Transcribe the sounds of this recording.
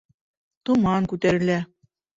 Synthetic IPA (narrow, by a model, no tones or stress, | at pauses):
t̪ŏmɑnkʉt̪æɾɘ̆lʲæ